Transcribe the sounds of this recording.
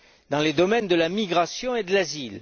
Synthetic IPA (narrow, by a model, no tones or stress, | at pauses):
d̪ɑ̃led̪ɔmɛnd̪əlamiɡʁasjɔ̃ed̪əlazil